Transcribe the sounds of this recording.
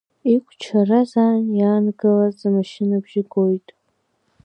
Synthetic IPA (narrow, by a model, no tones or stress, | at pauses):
ikʷʰʼt͡ʃʰarazaːnjaːnɡɨlart͡sʼamaʃɪnabʒɪɡo̞jtʼ